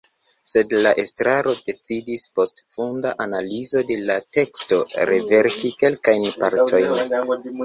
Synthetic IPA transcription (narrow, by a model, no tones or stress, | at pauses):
se̞dlaʔe̞stɾaɾo̞de̞t͡sidispo̞stfundaʔanalizo̞de̞late̞ksto̞ɾeve̞ɾkike̞lkajnpaɾtʰo̞jn